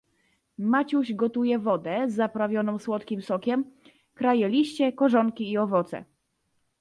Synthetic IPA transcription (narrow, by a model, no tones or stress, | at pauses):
mat͡ɕuʑɡɔt̪ujɛvɔd̪ɛzːapɾavʲjɔnɔ̃w̃swɔt̪kʲimsɔkʲɛm | kɾajɛlʲiɕt͡ɕɛkɔʐɔŋkʲiːɔvɔt̪sɛ̰